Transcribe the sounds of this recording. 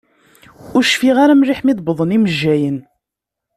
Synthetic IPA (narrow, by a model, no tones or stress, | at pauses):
ʊɾʃfiʁaɾamɾiħmiðˤbəðˤəniməʒːæjən